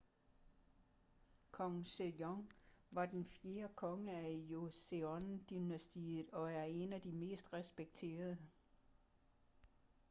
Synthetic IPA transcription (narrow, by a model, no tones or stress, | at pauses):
kʰɒ̽ŋsejɒŋʋɑ̈d̥enfje̝ːɐkʰɒ̽ŋəæjoseɒnd̥inæsd̥ið̩ˠɒ̽æɐe̝næd̥ime̝̰ːsd̥ʁɛsb̥eɡ̥̚t͡sʰe̝̰ːɐð̞ˠə